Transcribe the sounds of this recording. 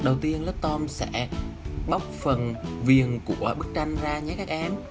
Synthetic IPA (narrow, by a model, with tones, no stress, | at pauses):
ɗə˨˩wt̪i˧ənlə˦˥t̚t̪ɔ˧msɛ̰˧˥ɓa˦˥wk͡p̚fə˨˩nvi˨˩ənku˧˩əɓɨ˦˥k̚t͡ɕa˧jŋ̟zaː˧ɲa˨˦kaː˦˥k̚ʔɛ˨˦m